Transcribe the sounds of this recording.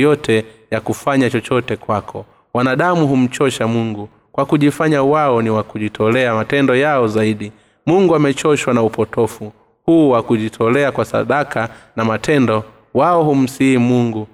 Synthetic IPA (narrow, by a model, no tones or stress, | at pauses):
jɔtʰɛjakufaɲat͡ʃɔt͡ʃɔtɛkwakʰɔ | wanaɗamuɦum̩t͡ʃɔʃamuŋɡu | kwakuʄifaɲawaɔniwakuʄitʰɔlɛamatɛndɔjaɔzaiɗi | muŋɡuamɛt͡ʃɔʃwanaupɔtɔfu | huːwakuʄitʰɔlɛakwasa̰ɗakʰanamatʰɛndɔ | waɔhum̩siimuŋɡu